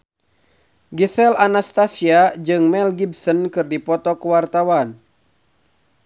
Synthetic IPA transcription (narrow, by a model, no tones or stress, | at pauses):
ɡisɛlanast̪asiad͡ʒɨŋmɛlɡibsɔnkɨrdipɔt̪ɔkəwart̪awan